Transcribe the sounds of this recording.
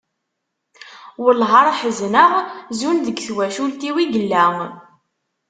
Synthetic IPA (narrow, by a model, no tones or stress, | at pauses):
wəlɦɑɾˤħəznəʁzunðəɡθwæʃult̪iwiɡəlːæm